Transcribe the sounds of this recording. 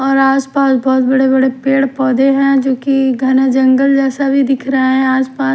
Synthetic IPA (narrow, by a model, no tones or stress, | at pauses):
ɔːɾaːspaːsbɔːt̪bɐɽebɐɽepeːɽpɔːd̪eɦɛ̃d͡ʒoːkiɡʱɐnad͡ʒɐ̃ŋɡəld͡ʒɛːsabʱid̪ɪkʰɾɐəeɛ̃aːspaːs